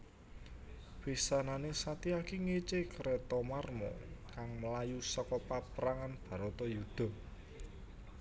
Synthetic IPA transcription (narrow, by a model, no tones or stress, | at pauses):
b̥isananesat̪iakiŋet͡ʃekɾet̪ɔmarmɔ̰kaŋməlajusɔkɔpapəɾaŋanb̥a̤ɾɔt̪ɔjud̪̥ɔ̤